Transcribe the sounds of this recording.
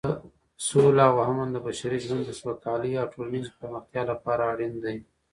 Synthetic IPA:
solawaɦamand̪əbaʃaɾiʒwand̪ːəswakɑliawʈʰolnizpaɾməxt̪jɑlapɑɾaːɽind̪aj

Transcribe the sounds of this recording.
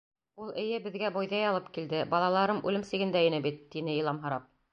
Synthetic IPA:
ulˠɘ̆jɘbɘ̆ðɡæbujðɑjɑlˠɤpkild̪ɘbɑlˠɑlˠɑɾɤmʔʉ̰lɘmsɘ̆ɡɘ̆nd̪æɘ̆nɘbit̪ːinɘjɤ̆lˠɑmɦɤ̆ɾɑp̚

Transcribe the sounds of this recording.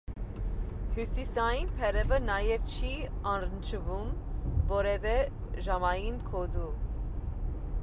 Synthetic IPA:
hjusisɑjinpʰɛɾɛvənɑjɛvt͡ʃʰiɑnɾənt͡ʃʰəvumvɔɾɛvɛ | ʒɑmɑjinkʰɔd̪u

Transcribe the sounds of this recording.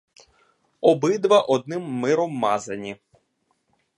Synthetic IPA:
ɔbɪd̪ʋɐʔɔd̪̚nɪmːɪɾɔmːɑzɐnʲi

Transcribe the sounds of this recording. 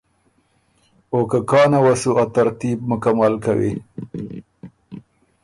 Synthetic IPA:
oːkakɑːnawasuat̪aɾt̪ib̚mʊkamalkawḭ

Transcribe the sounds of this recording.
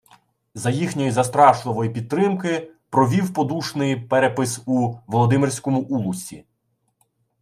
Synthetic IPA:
zɐjixnʲɔjizɐst̪ɾɑʃlˠɪʋɔjipʲid̪̚t̪ːɾɪmkɪpɾɔʋʲiwpɔd̪uʃnɪjpɛɾɛpɪsuʋɔlˠɔd̪ɪmɪrʲsʲkɔmʊʔulˠʊsʲḭ

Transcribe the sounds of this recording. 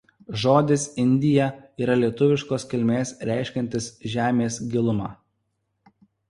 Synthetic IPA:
ʒoːd̪ʲɪsɪnʲd̪ʲɪjɛiːɾɐlʲiɛt̪ʊʋʲɪʃkoːskʲɪlʲmʲeːsɾʲæˑɪʃʲkʲɛnʲt̪ʲɪsʒʲæːmʲeːsɡʲɪlˠʊmɑ̰ː

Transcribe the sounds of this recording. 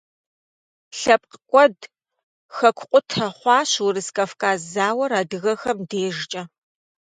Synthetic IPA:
ɬɐp̚qəkʷʼɔd | xɐkʷʰqʷʼʊtʰɐχʷɑːɕwʊɾɨskʼɐfkʼaːzaːwɐɾaːdɨɣɐxɐmdeːʒt͡ʃʼɐ

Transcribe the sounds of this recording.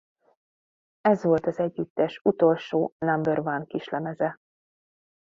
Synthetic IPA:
ɛzʋo̞lt̪ɒzɛɟːyt̪ːɛʃut̪o̞lʃoːnambørvankiʃlɛmɛzɛ

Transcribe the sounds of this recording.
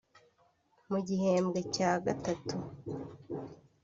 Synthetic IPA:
muɟihe̞ːmbɡecaːɡatatu

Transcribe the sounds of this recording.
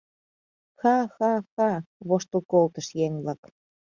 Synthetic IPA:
xɑxɑxɑβoʃt̪ə̆lkolt̪ə̆ʃjeŋβlɑk

